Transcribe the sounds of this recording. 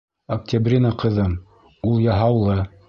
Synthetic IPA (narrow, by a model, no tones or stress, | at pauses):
ɐk̚tʲabrʲinaqɤ̆ðɤm | ulˠjɑɦɑwlˠɤ